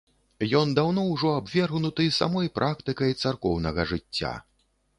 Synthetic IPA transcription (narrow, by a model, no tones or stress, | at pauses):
jɔnd̪awn̪ɔwʐɔabvʲɛrɣnut̪ɨsa̰mɔjpɾʔakt̪ɨkɐjt̪sarkɔwnɐɣɐʐɨt͡sʲːa̰